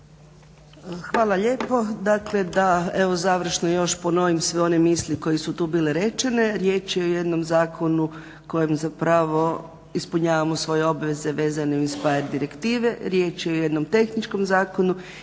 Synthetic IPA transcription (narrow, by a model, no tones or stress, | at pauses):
xʋaːlˠaʎe̞ːpo̞d̪akle̞d̪ae̞ʋo̞zaʋr̩ʃnojo̞ʃpono̞ʋimsʋeo̞ne̞miːsliko̞jesut̪uːbiːleɾe̞t͡ʃe̞ne̞ɾje̞ːt͡ʃieoje̞d̪no̞mzaːkʰo̞nu | ko̞jemzapɾaʋo̞ | ispuɲaːʋamosʋo̞je̞o̞bʋe̞ze̞ʋe̞ːzaneuispaeɾd̪iɾe̞kt̪iːʋe̞ɾje̞ːt͡ʃeojed̪nomt̪e̞xnit͡ʃko̞mzaːko̞nu